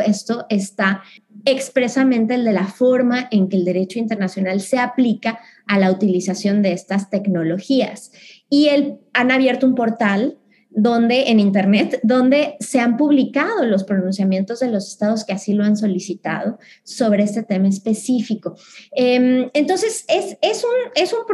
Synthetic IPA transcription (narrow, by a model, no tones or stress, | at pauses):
est̪oʔe̞st̪ae̞kspɾe̞samẽnt̪e̞ːld̪e̞lafo̞ɾmaʔe̞ŋke̞ːld̪e̞ɾe̞t͡ʃo̞int̪e̞ɾnasjo̞nalse̞aplikaː | laut̪ilisasjo̞nd̪e̞est̪ast̪e̞kno̞lo̞xias | ielanaβje̞ɾt̪oumpo̞ɾt̪al | d̪o̞nd̪e̞ʔːnĩnt̪e̞ɾne̞t̪d̪o̞nd̪e̞se̞ampuβlikað̞o̞lo̞spɾo̞nũnsjamje̞nt̪o̞zðe̞lo̞sest̪aðo̞ske̞asilo̞anso̞lisit̪a̰ð̞o̞ | so̞β̞ɾe̞est̪e̞t̪e̞maespe̞sifiko̞ement̪o̞nse̞sese̞sune̞sump